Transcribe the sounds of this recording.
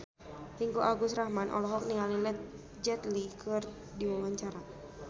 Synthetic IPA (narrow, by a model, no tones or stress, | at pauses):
t̪iŋkuʔaɡust̪ɾahmanʔɔ̰lɔɦɔk̚niŋalilɛt̪̚ | d͡ʒɛt̪likʰɨr | diwawaɲt͡ʃaɾa